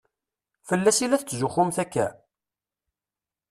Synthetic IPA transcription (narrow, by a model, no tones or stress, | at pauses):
fəlːæsilæθt͡sːzʊχʊmθækːæ̰